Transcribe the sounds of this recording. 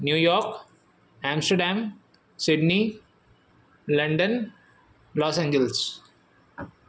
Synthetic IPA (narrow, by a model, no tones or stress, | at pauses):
njuːjɔːɾk | æ̃ːmsʈəɾɖæ̃ːm | sɪɖni | lɐ̃ɳɖə̃n | lɔːsẽɲd͡ʒels